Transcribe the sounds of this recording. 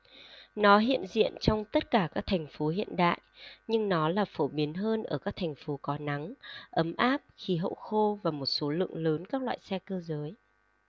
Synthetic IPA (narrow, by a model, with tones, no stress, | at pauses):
nɔ˨˦ɦḭ˧˨ənzḭ˧˨ənt͡ɕɔ˧wŋ͡mt̪ə˦˥t̚kaː˧˩kaː˦˥k̚t̪ʰɛ˨˩jŋ̟fo˨˦ɦḭ˧˨ənɗa̰ː˧˨jɲɨ˧ŋnɔ˨˦laː˨˩fo˧˩ɓi˨˦ənɦəː˧nʔəː˧˩kaː˦˥k̚t̪ʰŋ̟fo˨˦kɔ˨˦na˨˦ŋʔə˨˦mʔaː˦˥p̚xi˨˦ɦo̰˧˨xo˧vaː˨˩mo˨˩t̚so˨˦lɨ̰˧˨əŋləː˨˦nkaː˦˥k̚lwa̰ː˧˨jsɛ˧kəː˧zəː˨˦j